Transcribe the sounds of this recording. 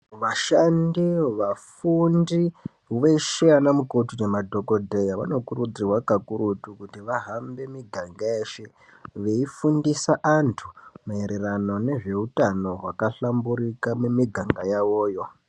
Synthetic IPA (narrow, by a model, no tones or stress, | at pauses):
ʋaʃandiʋafundi | ɦuʋeʃijanamukotunemadʱo̞ko̞dʱe̞jaʋa̰no̞kuɾud͡zirwakakuɾutukutiʋaɦambe̞miɡʱaŋɡaeːʃe | ʋe̞ifundisaʔantʰumaeɾerano̞ne̞ʐe̞utano̞ɦwakaɬambuɾikamumiɡʱaŋɡajawo̞ːjo̞